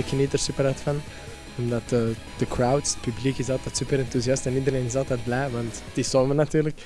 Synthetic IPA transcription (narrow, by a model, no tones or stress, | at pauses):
əkʰənitərsypəɾatfan | ɔmdatə | d̥əkʰɹawtsə̥t̚pyblikɪsɑlˠt̪ɛtsypəɾɛnt̪uziastɛnidəɾenɪs̬ɑlˠt̪ɛt̚blɛvantd̥isɔmənːat̪yːɾlək